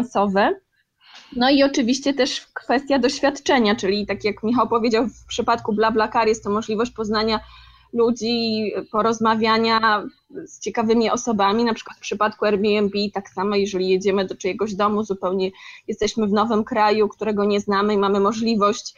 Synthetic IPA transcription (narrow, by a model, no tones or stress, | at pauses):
nsɔvɛ | nɔiɔt͡ʂɘvʲiɕt͡ɕɛt̪ɛʂkfɛst̪ʲjad̪ɔɕfʲjat̪t͡ʂɛɲat͡ʂɘlʲit̪akjakmʲixawpɔvʲjed͡ʑawfpʂɘpat̪kublablakaɾjɛst̪ːɔmɔʐlʲivɔɕ̬t͡ɕpɔznaɲa | lud͡ʑipɔɾɔzmavʲjaɲa | st͡ɕɛkavɘmʲiʔɔsɔbamʲinapʂɘkwat̪fpʂɘpat̪kuɛɾbʲiɛmbʲit̪aksamɔjɛʐɛlʲijed͡ʑɛmɘd̪ɔt͡ʂɛjɛɡɔʑd̪ɔmuzupɛwɲɛjɛst̪ɛɕmɘvnɔvɘmkɾajukt̪uɾɛɡɔɲɛznamɘimamɘmɔʐlʲivɔɕt͡ɕ